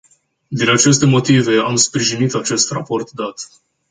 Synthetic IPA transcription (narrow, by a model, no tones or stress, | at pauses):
d̪inat͡ʃe̞s̬t̪e̞mo̞t̪ive̞amspɾiʒinit̪at͡ʃe̞st̪rapo̞rt̪d̪at̪